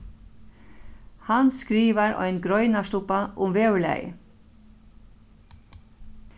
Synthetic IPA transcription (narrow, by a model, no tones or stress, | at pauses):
hanskɾiːʋaɾɔ̰ʏnɡɾɔʏnaʂt̪ʊpaʔʊmʋeːʏlæ̰jə̰